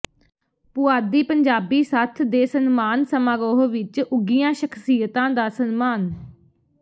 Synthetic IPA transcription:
pʊaːd̪iːpəɲd͡ʒaːbiːsaːt̪ʰd̪eːsənmaːnsəmãːɾoːɦʋɪt͡ʃʊɡijãːʃəkʰsiːət̪ãːd̪aːsənmaːn

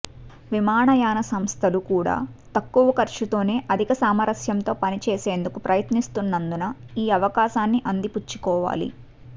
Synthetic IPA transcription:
ʋimaːɳɐjaːnɐsɐmst̪ʰɐlukuːɽa̰ːt̪ɐkːuʋɐkɐɾʂut̪o̞ːne̞ːʔɐd̪ʱikɐsaːmɐɾɐsjɐmnt̪o̞ːpɐnit͡ʃeːseːnd̪ukupɾʔɐjɐt̪nist̪unːɐnd̪unɐiːɐʋɐkaːʃaːnːiʔɐnd̪iput͡ʃːu̥kɔːʋa̰ːlḭ

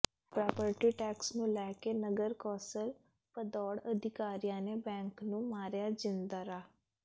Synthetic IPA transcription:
pɾaːpəɾʈiːʈɛːksnũːlɛːkeːnəɡəɾkɔːsəl | pəd̪ɔːɽəd̪ʱɪkaːɾijãːneːbɛ̃ːŋknũːmaːɾjaːd͡ʒɪnd̪aːɾaː

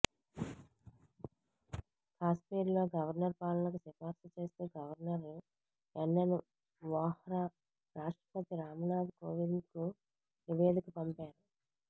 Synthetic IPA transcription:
kʰaːspiːɾlo̞ːɡɐʋɐɾnɐɾpaːlɐnɐkusɛpaːɾsɐt͡ʃe̞ːst̪uːɡɐʋɐɾnɐɾ | ɛnːɐnu | ʋaːhɾaː | ɾaːʂʈɾɐpɐt̪iɾaːmɐnaːd̪koːʋind̪ku | niʋe̞ːd̪ikupɐmpaːɾu

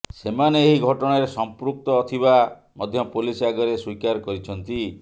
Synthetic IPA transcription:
semaneːɦiɡʱɔʈɔɽ̃aɾesɔmpɾuk̚t̪ɔːt̪ʰiβa | mɔd̪ʱjɔpulisaɡɔɾeswikaɾkɔɾit͡ʃʰɔnt̪i

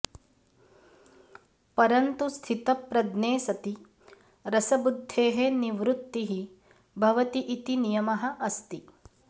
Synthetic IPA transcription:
pɐɾɐnt̪ust̪ʰit̪ɐpɾɐd̪neːsɐt̪i | ɾɐsɐbud̪ʱːeːɦeniʋɾut̪ːiɦi | bʱɐʋɐt̪iʔit̪inijɐmɐɦɐ̆ʔɐst̪i

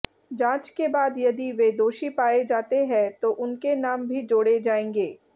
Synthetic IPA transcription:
d͡ʒãːt͡ʃkebaːd̪jɐd̪iʋeːd̪oːʃipaːed͡ʒaːt̪eɦɛ̃t̪oʔʊnkenaːmbʱid͡ʒoːɽed͡ʒaːẽːŋɡeː

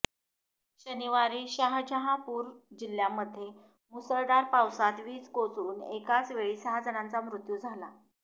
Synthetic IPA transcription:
ɕəniʋaɾiːɕaɦd͡ʑəɦapuːɾd͡ʑiljaməd̪ʱːje | musəɭɖaɾpawsat̪ʋiːt͡skot͡sɾuːnekat͡sʋeɭiːsəɦad͡zənant͡samɾut̪juːd͡zʱala

